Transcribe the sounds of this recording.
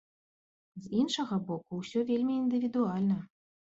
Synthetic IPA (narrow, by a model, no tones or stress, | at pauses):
zinʂɐɣɐbɔkuwsʲɔvʲelʲmʲiːnd̪ɨvʲid̪ualʲnɐ